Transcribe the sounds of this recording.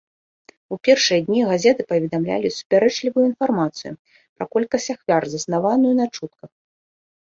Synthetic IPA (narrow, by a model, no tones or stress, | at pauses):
upʲɛrʂɨjɐd̪ʲnʲiɣazʲɛt̪ɨpɐvʲɛd̪amlʲa̰lʲisu̥pʲaɾɛt͡ʂlʲivujuin̪farmat̪sɨjṵ | pɾakɔlʲkɐsʲaxvʲarzɐsnavanujunat͡ʂut̪̚kɐ